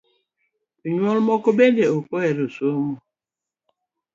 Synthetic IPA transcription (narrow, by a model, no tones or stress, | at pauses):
iɲwɔlmɔkobendeokoeɾosomo